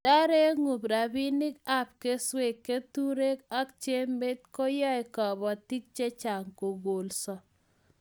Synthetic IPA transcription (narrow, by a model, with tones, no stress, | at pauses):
d̥a˦ɾe˦ŋu˨bɾa˨bi˦nɪ˦ka˦p̚ke˦swe˨kːe˦tu˦ɾe˦ka˦k̚t͡ʃe˦mbe˦t̚ko˦jɔ˦ɪ˨kɔ˨bɔ˨ti˦k̚t͡ʃe˦t͡ʃa˨ŋko˨ɡo˨lsɔ˨